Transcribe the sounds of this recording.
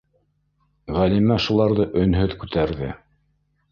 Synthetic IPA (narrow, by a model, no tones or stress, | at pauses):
ʁælimæʃulˠɑɾðɤʔɵ̆nɦɵðkʉt̪æɾðɘ̰